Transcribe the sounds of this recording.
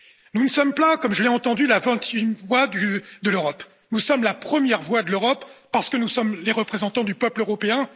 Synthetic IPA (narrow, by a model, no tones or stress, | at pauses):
nunəsɔmpãkɔmʒəleɑ̃t̪ɑ̃d̪ylavɛ̃t̪jɛmvwad̪yd̪əløʁɔp | nusɔmlapχəmjɛʁvwad̪əløʁɔpː | aʁsə̥kənusɔmleʁəpχezɑ̃t̪ɑ̃d̪ypœpløʁɔpeɛ̃